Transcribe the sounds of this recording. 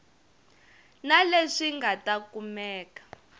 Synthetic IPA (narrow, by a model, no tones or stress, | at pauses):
naleʂiŋɡatakumɛːkḁ